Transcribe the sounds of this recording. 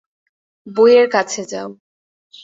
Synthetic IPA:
bojeɾkat͡ɕʰed͡ʑao

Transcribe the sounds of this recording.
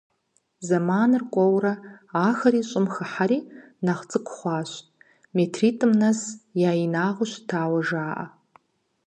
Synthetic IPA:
zamanɨrkʷʼɔwrɐaːxɐɾiɕʼɪmxaħaɾiːnaχt͡sʼɨkʷʰχʷaːʃʷʼ | metʰritʰʼɨmnasjaːinaːʁʷʊʃtʰaːwɐʐaːʔa̰

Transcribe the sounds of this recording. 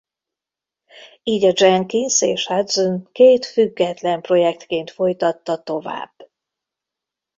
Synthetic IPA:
iːɟɒd͡ʒɛŋkinseːʃhad̪zonkeːt̪fyɡːɛt̪lɛmpro̞jɛk̚t̪keːnt̪fo̞jt̪ɒt̪ːɒt̪o̞va̰ːb̥

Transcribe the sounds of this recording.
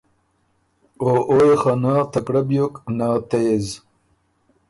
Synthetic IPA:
oːʔojxanaːt̪ɐkɽɐbjoknaːt̪ez

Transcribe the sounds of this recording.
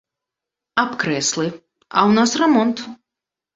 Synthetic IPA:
apkɾɛsʲlʲˠɨ | a̰wnasrɛmɔnt̪

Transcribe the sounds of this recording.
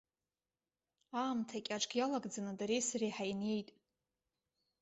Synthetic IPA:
aːmtʰakʲʼaʈ͡ʂʼɡʲjalaɡʼd͡zanɨdaɾejsarejħajne̞jtʼ

